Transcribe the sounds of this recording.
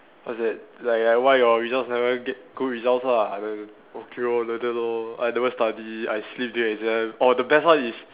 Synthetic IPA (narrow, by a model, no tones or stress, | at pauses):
asɛt̚lajk̚lawajɔɹizãʊsnɛvəɡɛt̚ɡ̥uɹizãʊsaadɛ̃ | okʰeɔlodəloajnɛvəstadiajslip̚duɛkzɛ̃mɔdəbɛstatis